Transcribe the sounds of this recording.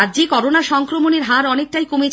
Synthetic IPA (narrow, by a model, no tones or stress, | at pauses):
ad͡ʑikɔɾonaʃɔŋkɾomoneɾɦaɾɔnek̚ʈajkomet͡ɕ